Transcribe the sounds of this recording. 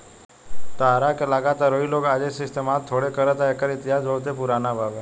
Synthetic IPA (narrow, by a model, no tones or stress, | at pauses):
t̪aaɾakelaɡat̪aɾoiloɡad͡ʒesest̪emat̪ʰːoɽekəɾət̪aekəɾɪt̪ɪjaːd͡ʒɦoɭt̪epuɾanabʱaʋe